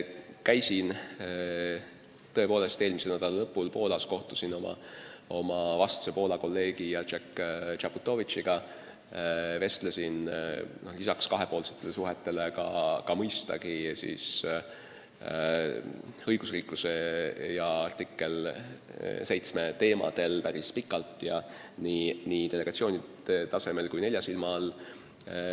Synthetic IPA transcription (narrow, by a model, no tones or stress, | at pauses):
kæjsin | t̪ɤe̞po̞ːle̞st̪eːlmiselnæd̪ɑlɑlɤpːˑulpo̞ːlɑsko̞ht̪u̥sino̞mɑ̰o̞mɑvɑst̪sepo̞ːlɑko̞lːe̞ːɡ̥ijɑt͡ʃekːt͡ʃɑput̪ːˑo̞vit͡ʃiɡ̥ɑ | ve̞st̪lesinno̞hlisɑkskɑɦe̞po̞ːlset̪ˑːelesuɦet̪ːe̞lekɑkɑmɤjst̪ɑ̰ɡ̥isḭːs | ɤ̞jɡ̥usriːkluse̞jɑɑrt̪ikːˑe̞l | se̞jt̪sme̞t̪e̞ːmɑ̰d̪̥e̞lpæɾispikːˑɑlt̪ˑːjɑ | niniːt̪ele̞ɡ̥ɑt̪sio̞ːnid̪̥et̪ɑse̞me̞lkujne̞lʲjɑsilmɑl